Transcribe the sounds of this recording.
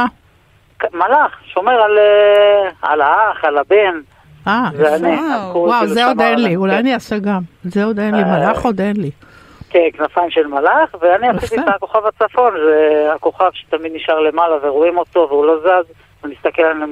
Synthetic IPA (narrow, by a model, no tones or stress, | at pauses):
a | kamalaχʃo̞me̞ʁale | a̰laaχalaben | azeaniwawzzeod̪enliulajaniaseɡamzeod̪enlimalaχo̞d̪enli | kenknafaimʃelmalaχveaniasit̪iako̞χavat͡safo̞nzeako̞χavʃe̥t̪amid̪niʃaʁle̞malaveʁoimo̞t̪o̞veulo̞zaz | unist̪akelanem